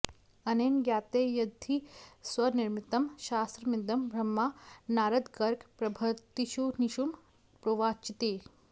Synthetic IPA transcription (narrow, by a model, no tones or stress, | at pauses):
ɐnenɡjaːt̪eːjɐd̪ʱːiswɐniɾmit̪ɐmʃaːst̪ɾɐmid̪ɐmbʱɾɐmːaːnaːɾɐd̪ɡɐɾkpɾɐbʱɐt̪ːiʃuniʃum | pɾoːʋaːt͡ʃit̪eː